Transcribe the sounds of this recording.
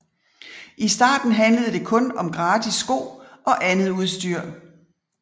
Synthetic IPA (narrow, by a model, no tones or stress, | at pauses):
ʔisd̥ɑ̰̈ːd̥n̩ɦænləð̞̩ˠd̥e̝kʰɔ̽nɒ̽mɡ̥ʁɑːd̥isːɡ̥o̰ːɒ̽ʔænð̩ˠuð̞̩ˠsd̥yɐ̰